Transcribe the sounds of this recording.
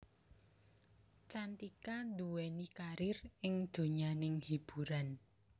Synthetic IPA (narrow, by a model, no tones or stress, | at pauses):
t͡ʃant̪ikand̪uwɛnikaɾɪrɪŋd̪̥o̤ɲanɪŋhib̥ṳɾan